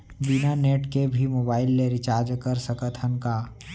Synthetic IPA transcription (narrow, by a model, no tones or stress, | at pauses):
binaneːʈkebʱimoːbaːɪlːeɾɪt͡ʃaːɾd͡ʒkəɾsəkət̪ʰənkaː